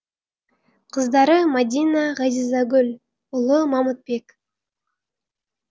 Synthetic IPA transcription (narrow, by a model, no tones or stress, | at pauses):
qʰəzd̪ɑɾəmad̪ʲinaʁɑzizɑɡʲɵlʲ | ʊlˠəmɑmut̪̚pe̞k